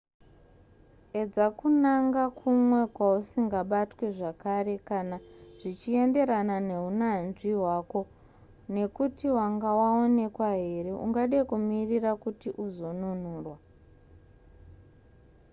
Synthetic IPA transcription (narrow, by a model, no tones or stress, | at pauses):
e̞d͡zakunaŋɡakʰumwe̞kwausiŋɡaɓatwe̞ʐakare̞kanaʐ̥it͡ʃie̞nde̞ɾanane̞ɦunanʐiɦwako̞ | ne̞kutiwaŋɡawao̞ne̞kwaɦe̞re̞ʔuŋɡaɗekumirirakutiʔuzo̞nun̤uːrwa